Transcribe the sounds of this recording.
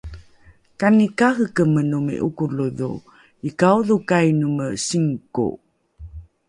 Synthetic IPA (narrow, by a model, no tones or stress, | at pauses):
kanikaɦəkəmənumḛʔukuluðṵ | ikawðukajnuməsiŋko̰